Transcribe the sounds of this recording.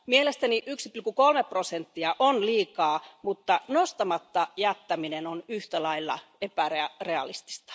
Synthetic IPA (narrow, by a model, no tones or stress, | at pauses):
mielest̪æniʔyksi̥plikukolmeprosent̪ːiɑʔonliːkɑːmut̪ːɑnost̪ɑmɑt̪ːɑjæt̪ːæminenonyht̪ælɑilːɑ̰epæeɑreɑ̰list̪i̥st̪ɑ̥